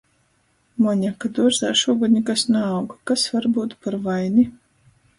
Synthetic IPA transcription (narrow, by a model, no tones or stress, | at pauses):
mɔɲʲakad̪uɔʒza̰ːʃuɔɡɔd̪ʲɲʲikasnaːwɡakasvaɾbuːt̪paɾvajni